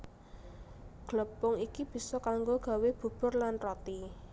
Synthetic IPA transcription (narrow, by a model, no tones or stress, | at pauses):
ɡ̥ləpʊŋikib̥i̤sɔkaŋɡoɡ̥a̤web̥ṳb̥ʊ̤rlanrɔt̪i